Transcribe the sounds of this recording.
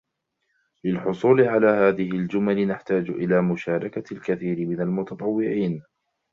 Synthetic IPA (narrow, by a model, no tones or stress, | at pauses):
lɪlħʊsˤuːlɪʕalaːhaːðɪhɪld͡ʒʊmalɪnaħt̪aːd͡ʒʔɪlaːmʊʃaːɾˤɑkalkaθiːɾɪmɪnalmʊt̪ɑt̪ˤɑwːɪʕiːn